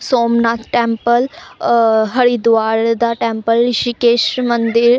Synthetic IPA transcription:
soːmnaːt̪ʰʈɛ̃ːmpəl | ɦəɽid̪ʋaːɾd̪aːʈɛ̃ːmpəlʃikeːʃmənd̪ɪɾ

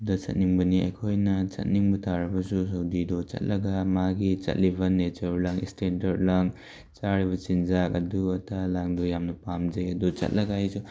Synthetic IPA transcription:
dɐt͡ʃɐ̰t̚niŋbɐniɐ̰jkʰojnɐt͡ʃɐ̰t̚niŋbɐtʰaɾɐbɐsusɐwdidot͡ʃɐ̰t̚lɐɡamaɡit͡ʃɐ̰t̚libɐnet͡ʃɐɾlaŋḭstendɐɾlaŋ | t͡ʃaɾiβɐt͡ʃind͡ʒakɐ̰duɐtʰalaŋdojamnɐpamd͡ʒɐjɐdut͡ʃɐ̰t̚lʔɐɡajsu

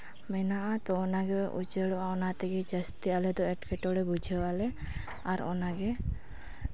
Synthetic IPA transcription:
mɛnaʔat̪ɔːnaɡɛṵt͡ʃəɽɔaɔnat̪ɛɡɛd͡ʒəst̪ialɛd̪ɔɛʈkɛʈɔɽɛbud͡ʒʱəwalɛ | aɾɔ̰naɡɛ

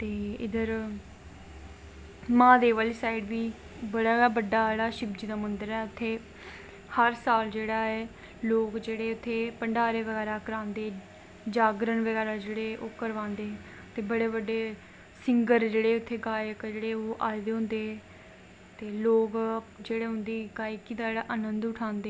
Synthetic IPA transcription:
t̪eːɪ̰d̪əɾ | mãːd̪eːʋəliːsaːiɖbiː | bəɽaːaːbəɖːaːd͡ʒeːɽaːʃɪbd͡ʒd̪aːmənd̪əɾɛːʊt̪ʰːeː | həɾsaːld͡ʒeːɽaːɛː | loːkd͡ʒeːɽeːʊt̪ʰːeːpəɳɖaːɾeːʋəɡɛːɾaːkəɾãːnd̪eː | d͡ʒaːɡɾənʋəɣɛːɾaːd͡ʒeːɽeːʔoːkəɾʋãːnd̪eː | t̪eːbəɽeːbəɖːeː | sɪŋɡəɾd͡ʒeːɽeːʊt̪ʰːeːɡaːjəkd͡ʒeːɽeːoːʔaːed̪eːɦʊ̃nd̪eː | t̪eːloːkd͡ʒeːɽeːɦʊ̃nd̪eːɡaːikiːd̪aeːɽaːʔənənd̪ʊʈʰãːnd̪eː

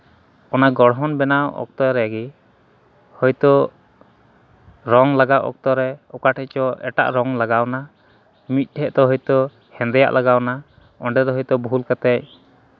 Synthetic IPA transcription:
ɔnaɡɔɽɦɔnbɛnawɔ̰k̚t̪ɔɾɛɡi | hɔjt̪ɔ | ɾɔŋlaɡawʔɔ̰k̚t̪ɔɾɛɔkaʈʰɛc̚t͡ʃɔʔɛʈa̰ʔɾɔŋlaɡawna | mit̪̚ˀʈʰɛʔt̪ɔɦɔjt̪ɔ | hɛ̃nd̪ɛja̰ʔlʔaɡawna | ɔɳɖɛɾɔɦɔjt̪ɔbʱulkat̪ɛc̚

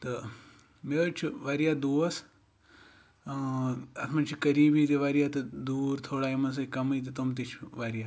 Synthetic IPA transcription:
t̪ɨ | met͡ʃʰuʋaːɾjaːd̪oːɐs | ɐt̪ʰmɐnt͡ʃʰikɐɾiːbit̪iʋaːɾijaːt̪ɐd̪uːɾt̪ʰoːɽaːimɐns̬ɐkɐmɐjt̪̬it̪umt̪̬it͡ʃʰuʋaːɾjaː

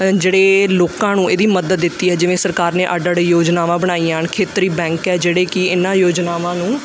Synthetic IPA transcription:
d͡ʒeːɽeːloːkãːnũːeːd̪iːməd̪əd̪ːɪt̪ːiːɦɛːd͡ʒɪʋẽːsəɾkaːɾnẽːʔaɖəɽejoːd͡ʒnaːʋãːbəɽ̃aːiːankʰeːt̪ɾiːbɛ̃ːŋkɛːd͡ʒeːɽeːkɪɪnãːjoːd͡ʒnaːʋãːnũː

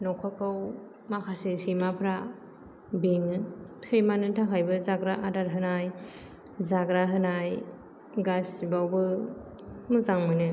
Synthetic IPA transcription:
nɔkʰɔɾkʰɯw | makʰasisijmapʰɾa | biŋsejmanɯtʰakʰajbɯzaɡɾaʔadaɾɦɯnaj | zaɡɾaɦɯnaj | ɡasibawbɯ | mɯzaŋmɯnɯ

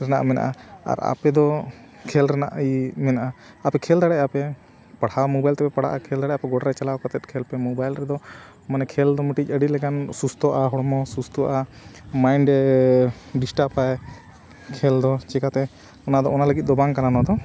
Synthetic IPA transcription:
ɾɛna̰ʔmɛna̰ʔaa̰ɾa̰pɛd̪ɔ | kʰɛlɾɛna̰ʔimɛnaʔa | apɛkʰɛld̪aɽɛʔapɛ | paɽawmɔbajlt̪ɛpɛpaɽ̤a̰ʔakʰɛld̪aɽɛʔapɛɡɔɽɾɛt͡ʃalawkɔt̪ɛt̪̚kʰɛlpɛmɔbajlɾɛd̪ɔ | manɛkʰɛld̪ɔməʈic̚ˀəɖit̪lɛkansust̪ʰɔʔaɦɔɽmɔsust̪ɔʔa | majɳɖ | ɖisʈapaj | kʰɛld̪ɔt͡ʃɛkat̪ɛ | ɔnad̪ɔɔnaləɡit̪̚d̪ɔbaŋkananɔd̪ɔ

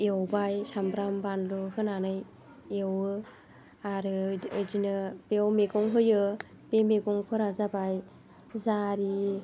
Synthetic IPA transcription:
ewbajsambɾambanluhɯnanɯj | ewɯ | aɾɯdinɯbewmeɡɔŋɦɯjɯ | bemeɡɔŋpʰɯɾazabaj | zaɾi

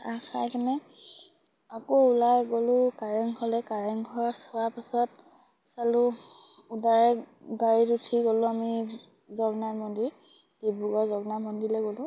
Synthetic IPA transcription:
axajkanɛ | akoulajɡolʊkaɹɛŋɡʰɔlɛkaɹɛŋɡʱɔɹɔsɔapasɔt | salʊudaɹɛɡaɹitutʰiɡolʊ̃ami | zɔɡnamɔndid̥ibuɡɔzɔɡnamɔndilɛɡolʊ̃

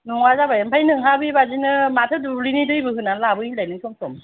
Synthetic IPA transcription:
nuŋazabajampʰajnɯŋɦabibazinɯmatʰɯduɾinidɯjbɯɦɯnanlabɯilajnɯŋsʰɔmsɔm

